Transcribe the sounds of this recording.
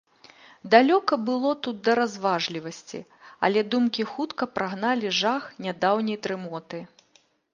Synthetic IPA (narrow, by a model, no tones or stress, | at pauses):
d̪alʲɔkɐbɨlˠɔt̪ut̪̚d̪ɐɾazvaʐlʲivɐsʲt͡sʲḭɐ̰lʲɛd̪umkʲixut̪kɐpɾaɣnalʲiʐaxnʲad̪awnʲɐjt̪ɾɨmɔt̪ɨ